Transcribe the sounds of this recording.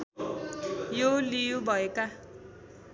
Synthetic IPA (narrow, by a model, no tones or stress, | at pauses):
jolijubʱʌeka